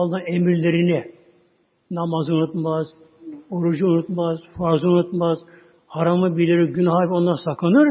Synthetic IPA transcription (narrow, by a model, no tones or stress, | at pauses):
lˠd̪anemiɾlʲe̞ɾinɪ | namazunut̪maz | oɾud͡ʒuunut̪mazfaɾzɯunut̪maz̥ | haɾamɯbilʲeɾiɟynɦaːpo̞nd̪aɾsaklˠanɯɾ